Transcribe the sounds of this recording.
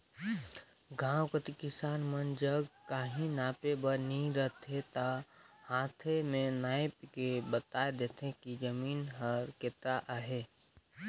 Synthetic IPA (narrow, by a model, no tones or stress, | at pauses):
ɡʱãːwkət̪ikɪsaːnmənd͡ʒəɡkaːɦĩnaːpebəɾnəĩɾəɦt̪ʰet̪ahãːt̪ʰemẽnaːɪp̚kebət̪aːed̪eːt̪ʰẽkid͡ʒəmiːnɦəɾket̪ɾaʔaɦeː